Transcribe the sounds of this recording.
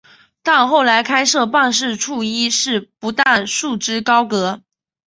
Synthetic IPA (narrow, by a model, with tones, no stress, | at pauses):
t̪ɑ˥˧nxo˥˩ʊla˧˥ɪkʰa˥ɪʂɤ˥˧pɑ˥˧ŋʂ̬ɻ̩˥˧ʈ͡ʂʰu˥˩i˥ʂɻ̩˥˩pu˧˥t̪a˥˧˩nʂu˥˩ʈ͡ʂɻ̩˥kɑ˥ʊkɤ˧˥